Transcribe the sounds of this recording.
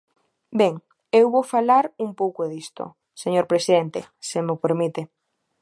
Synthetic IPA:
bɛŋ | ewβofalaɾuŋpowkoðist̪o̰ | seɲoɾpɾesiðent̪ḛsemʊpeɾmit̪e

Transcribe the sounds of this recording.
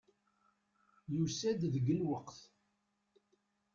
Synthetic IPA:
jusæd̪ðəɡəlwəqθ

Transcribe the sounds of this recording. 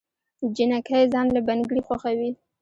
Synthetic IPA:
d͡ʒɪnakajzɑnlabanɡɽixwaxawi

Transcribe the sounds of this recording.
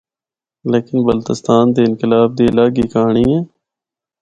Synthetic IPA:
leːkɪnbəlt̪ɪst̪aːnd̪eːɪnkɪlaːb̚d̪iːlaːɡiːkaːɳ̃iɛ̃ː

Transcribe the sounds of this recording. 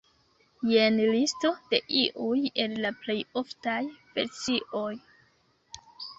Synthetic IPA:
jenlisto̞d̥e̞ʔiʔuje̞nlaple̞jo̞ftajpeɾt͡siʔo̞j

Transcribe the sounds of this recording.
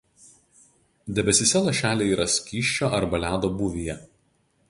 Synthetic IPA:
d̪ʲɛbʲɛsʲɪsʲɛlˠɐʃʲæːlʲeːiːɾʔɐsʲkʲiːʃʲt͡ʃʲoːʔɐɾbɐlʲæːd̪oːbʊʋʲijɛ

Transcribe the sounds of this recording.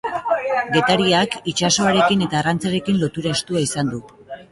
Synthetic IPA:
ɡe̞t̪aɾiakit͡ʃaso̞aɾe̞kine̞t̪aːrant͡saɾe̞kinlo̞t̪uɾaest̪uaisand̪u

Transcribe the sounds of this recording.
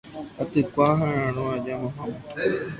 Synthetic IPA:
at̪ɨkʷaɦããɾ̃õad͡ʒamãɦãm

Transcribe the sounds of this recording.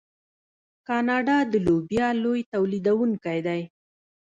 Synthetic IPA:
kɑnɑɖɑd̪əlobjɑlojt̪awlid̪awuŋkajd̪aj

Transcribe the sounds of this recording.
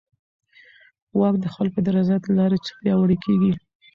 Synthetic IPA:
wɑkd̪əxpalpəd̪aɾɑzɑt̪lɑɾet͡sə̥pjɑwəɽekʰeɡi

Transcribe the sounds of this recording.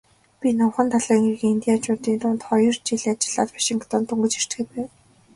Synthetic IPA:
pʲinɔwχə̆nt̪ʰaɮaːŋɡiɣɘ̆ŋint̪iːat͡ɕʊːt̪iːnt̪ʊːnt̪χɔjɞ̆rt͡ɕiɮat͡ɕɪ̆ɮaːt̪pḁʃɪ̆ŋkt̪ɔːnt̪ɵŋɡɘ̆t͡ɕir̥t͡ɕ̪xɘ̆t̪pæːw

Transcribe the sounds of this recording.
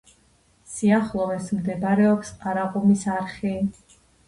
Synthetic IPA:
siaχlˠɔvɛsmd̪ɛbɾɛɔpsqʼaɾaqʼɔmisaɾχi

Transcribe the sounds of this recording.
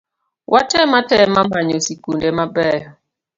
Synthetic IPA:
wʔatɛmatɛmamaɲɔsikundemabɛ

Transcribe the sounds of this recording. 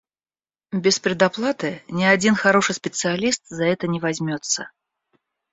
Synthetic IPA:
bʲɪspɾʲɪd̪ɐplˠat̪ɨnʲɪɐdʲinxɐɾo̞ʂɨjsʲpʲɪt̪sɨɐlʲist̪zɐɛt̪ənʲɪvɐzʲmʲot̪sə

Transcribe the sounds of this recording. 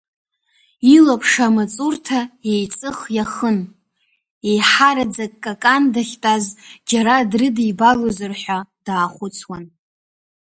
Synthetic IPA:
ilapʰʂamat͡sʼurtʰae̞jt͡sʼɨχjaχən | ejħaɾad͡zakʼkʼːakʼandaχʲtʼazd͡ʒaɾadrɨdijbalozɨrħʷᶣad̥aːχʷʊt͡sʰwan

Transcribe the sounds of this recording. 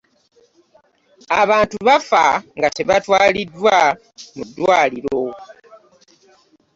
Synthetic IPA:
aβaːntuβafa̰ŋɡateβatwaːlidːwa | mudːwaːliɾo

